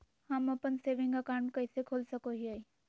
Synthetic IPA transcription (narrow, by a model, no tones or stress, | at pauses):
hɐmɐpənseːʋɪ̃ŋkakaːɳkɐɪsekʰoːlsəkoɦiai